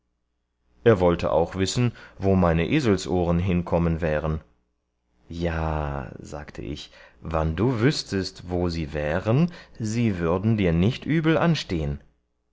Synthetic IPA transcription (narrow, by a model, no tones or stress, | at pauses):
ʔeːɐvɔltʰə̰ʔa̰ʊxv̥ɪsn̩voːmaɪnəʔeːzl̩sʔoːʁənɦɪnkʰɔmənvɛːʁən | jaːza̰ːktʰə̰ʔɪ̰çvanduːvʏstʰəstvoːziːvɛːʁənziːvʏɐdn̩diːɐnɪçtʔyːbl̩ʔanʃteːən